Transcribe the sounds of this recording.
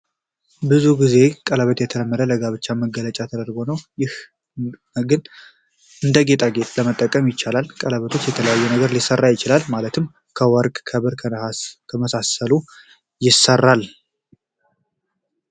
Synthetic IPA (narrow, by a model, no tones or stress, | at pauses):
bɨzuɡize̞kʼələβət̪jɛt̪ʰələmːəɾələɡaβɨt͡ʃːaməɡːələt͡ʃʼat̪ʰəd̪əɾɡo̞nəwjɪh | ɡɨn | ʔɨnd̪əɡe̞t̪ʼaɡe̞t̪ʼləmət̪ʼːəkʼːəmjɪt͡ʃːalalkʼələβət̪ʰo̞t͡ʃːjɛt̪ʰələjajːɛnəɡəɾlisərːajɪt͡ʃɪlalmalət̪ʰɨm | kʰəwəɾkʼkʰəβɨɾkʰkʰəməsasəlu | jɪsːərːal